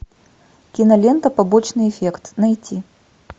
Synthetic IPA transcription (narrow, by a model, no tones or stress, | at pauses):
kʲinɐlʲent̪əpɐbot͡ɕnɨjɪfʲekt̪nɐjtʲʰi